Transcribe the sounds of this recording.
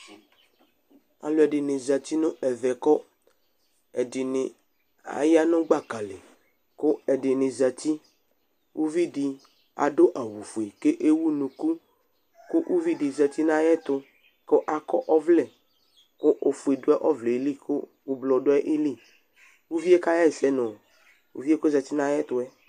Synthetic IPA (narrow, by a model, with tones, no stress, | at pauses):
a̰˨lo˨ɛ˨ɖɪ˨nɪ̃˨za˨t̪i˦nʊ̃˦ɛ˨vɛ˨kɔ˦ | ɛ˨dɪ˨nɪ˨ | a̰˨ja˦nʊ̃˦ɡ͡ba˦˨ka˨le˨ | kʊ˦ɛ˨ɖɪ˨nɪ̃˨za˨t̪i˦ | wu˦vi˦ɖi˨ | a̰˨ɖo˦ʔa˨wu˨fu˨e˨ke˦ʔe˦wu˦nũ˨ku˦ | kʊ˦ʔu˦vi˦dɪ˨za˨t̪i˦nã˦jɛ˦t̪ʊ˦ | kʊ˦ʔa˨kɔ˦ʔɔ˦vlɛ˨ | kʊ˦ʔo˨fu˨e˨dʊ˦ɛ˦ʔɔ˦vlɛ˨˦li˦kʊ̰˦ | wʊ˦blɔ˨ɖʊ˦ɛ˦ʔe˦li˦˨ | wu˦vi˦e˦ka˦jɛ˦˨sɛ˦nʊ̃˨ | wṵ˦vi˦e˦kʊ˦za˨t̪i˦nã˦ɛ˦t̪ʊ˦ɛ˦